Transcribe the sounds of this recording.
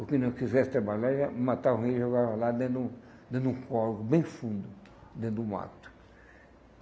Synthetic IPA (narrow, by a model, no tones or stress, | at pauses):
ʊkɪ̃nɐ̃w̃kizɛsɪ̥t̪ɾabaʎaɾɛmat̪aɾũheʒoɡavɐlad̪ẽnd̪ũ | d̪ẽnd̪ũkɔɾkʊbẽj̃fũnd̪ʊ | d̪ẽnd̪ũma̰t̪ʊ̥